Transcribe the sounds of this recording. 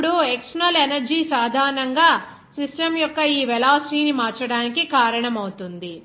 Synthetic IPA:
ɽuekʂnɐlenɐɾd͡ʒisaːd̪ʱaːɾnɐŋɡaː | sisʈɐmjɔkːɐiːʋɛlaːsʈiːnimaːɾt͡ʃɐɽaːnikikaːɾɐɳɐmɐwt̪und̪i

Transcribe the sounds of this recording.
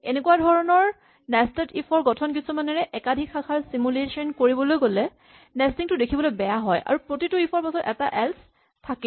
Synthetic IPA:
enekuwadʱɔɹɔnɔɹ | nɛstɛtipʰɔɹɡɔtʰɔnkisɔmanɛɹɛʔɛkadʱikʰːakʰaɹsimulesɔnkoɹibɔlojɡolɛ | nɛstiŋtʊdekʰibɔlojbɛjaɦɔjʔa̰ɹupɹotituipʰɔɹpasɔtɛ̰taʔɛls | tʰaki

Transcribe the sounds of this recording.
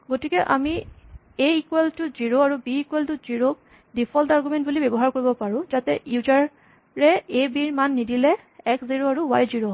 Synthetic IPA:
ɡotikɛʔa̰mi | eikweltʊziɹoaɹubiːkuweltʊz̥iɹok̚ | dipʰɔltaɹɡumɛnt̚bulibɛbɔɦaɹkoɹibɔpaɹʊ̃zatɛjuzaɹ | ɹɛebiɹmanːidilɛ | ɛkziɹoaɹuwajziɹo

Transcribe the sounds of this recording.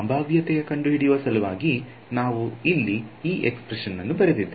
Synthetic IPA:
ɐmbʱaːʋjɐt̪ɛjɐkɐɳɖuɦiɽijʋɐsɐluʋaːɡi | naːʋuilːiiːʔekspɾeʂɐnːɐnːubɐɾed̪id̪ː

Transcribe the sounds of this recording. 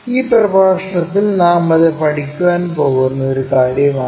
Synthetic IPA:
iːprɐbʱaːʂɐɳɐt̪ːilnaːmɐðepɐʈikʲːuwaːnpo̞ːɣunːɐoɾukaːɾjɐmaː

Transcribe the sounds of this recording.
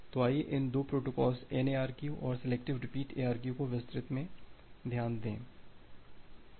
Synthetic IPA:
t̪oaːjeʔɪnd̪oːpɾoːʈokɔːlseːneːaːɾkjuʔɔːɾsɛleːkʈɪʋɾɪpiːʈeːaːɾkjukoʋɪst̪ɾɪt̪mẽd̪ʱjaːnd̪ḛ̃ː

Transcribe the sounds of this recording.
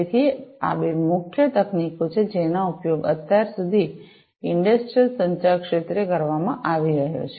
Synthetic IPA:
t̪ʰia̰beɾmʊkʰjət̪əknikot͡ʃʰed͡ʒenaupjoɡə̰t̪jaɾsud̪ʱi | ɪɳɖəsʈɾijəlsəɲt͡ʃakʃet̪ɾekəɾʋamãʔaʋiɾəɦjo̰t͡ʃʰe

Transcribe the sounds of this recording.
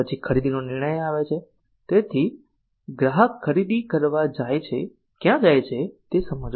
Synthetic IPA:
ət͡ʃʰikʰəɾid̪inonɪɾɳ̃əjaʋet͡ʃʰe | t̪et̪ʰi | ɡɾaɦəkʰːəɾid̪ikəɾʋad͡ʒajt͡ʃʰe | kjãd͡ʒajt͡ʃʰet̪esəməd͡ʒ

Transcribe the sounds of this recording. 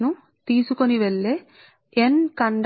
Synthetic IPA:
nu | t̪iːsukoniʋeɭːe | enkɐɳɖ

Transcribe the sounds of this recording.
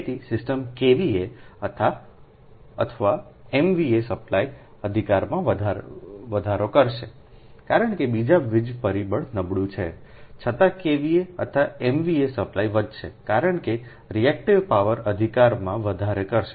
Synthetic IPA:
t̪isɪsʈəmkeʋieət̪ʰa | ə̰t̪ʰəʋa | emʋiesəplai | əd̪ʱikaɾmãʋəd̪ʱaʋəd̪ʱaɾokəɾʃe | kaɾəɳkebid͡ʒaʋɪd͡ʒpəɾibəɭnəbɽũt͡ʃʰḛt͡ʃʰət̪ãkeʋieə̰t̪ʰaemʋiesəplaiʋəd̪ʱʃekaɾəɳke | ɾiɛk̚ʈiʋpaʋəɾəd̪ʱikaɾmãʋəd̪ʱaɾekəɾʃe

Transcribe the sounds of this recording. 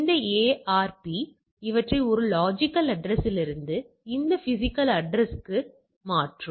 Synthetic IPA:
ɪnd̪ɐeːaːɾpi | ɪʋɐʈrɐɪɔɾɯlaːd͡ʒɪkːɐlɐɖɾɛsɪlɪɾɯnd̪ɯ | ɪnd̪ɐfɪsɪkːɐlɐɖɾɛskɯ | maːʈrɯm

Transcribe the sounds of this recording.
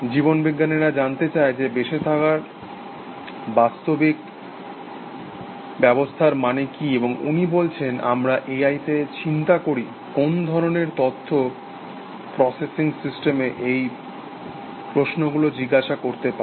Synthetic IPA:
d͡ʑibonbiɡːaneɾad͡ʑant̪et͡ɕaed͡ʑebeʃet̪ʰakaɾ | bast̪obik | bɛbost̪ʰaɾmanekieboŋṵnibolt͡ɕʰenʔa̰mɾaʔeajt̪et͡ɕint̪akoɾi | kond̪ʱɔɾoneɾt̪ot̪ʰːo | pɾɔsesiŋsisʈemeʔej | pɾosnoɡulod͡ʑiɡaʃakoɾt̪epa

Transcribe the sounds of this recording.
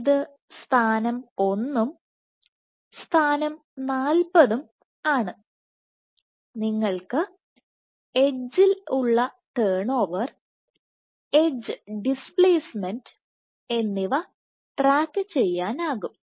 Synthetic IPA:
ðɨ | st̪ʰaːnɐmo̞nːum | st̪ʰaːnɐm | naːlpɐðum | aːɳɨ | niŋːɐɭkɨ | e̞d͡ʑːiluɭːɐt̪eːɳo̞ːʋɐr | ed͡ʑɨɖispɭeːsmend | e̞nːiʋɐ | ʈraːkːɨt͡ɕe̞jːaːnaːɣum

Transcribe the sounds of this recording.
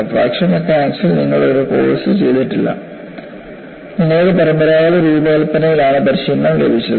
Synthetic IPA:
pɾa̰ːkʂɐŋːɐkːaːsilniŋːɐɭɽeoɾuko̰ːɭɐsɨt͡ɕe̞jd̪iʈːilːɐ̰ | ninːeːðepɐɾɐmbɐɾaːjɐlɐɾiːbeɐlpːɐnɐjilaːɳɨbɐɾiʂinːɐmlḛbʱit͡ɕːɐð

